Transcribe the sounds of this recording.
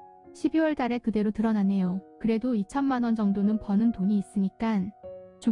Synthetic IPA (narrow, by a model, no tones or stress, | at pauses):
ɕʰibiwʌɭt͈aɾe̞kɯde̞ɾotɯɾʌnane̞jokɯɾe̞doit͡ɕʰʌnmanwʌnd͡ʑʌŋdonɯnpʌnɯntoɲiːs͈ɯɲik͈ant͡ɕu